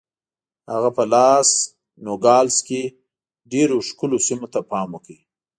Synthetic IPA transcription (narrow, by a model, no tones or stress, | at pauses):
haɣapəlɑs | noɡɑlske | ɖeɾoʃkʊlosimot̪apɑmwəki